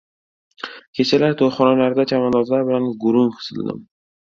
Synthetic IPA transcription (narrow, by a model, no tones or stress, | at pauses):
kʲʰe̞t͡ʃʰalaɾt̪ʰojχɒnalaɾd̪at͡ʃʰamanɒzlaɾbɪlanɡʊɾʊmqʰɨ̥sɨ̰ld̪ɪ̰m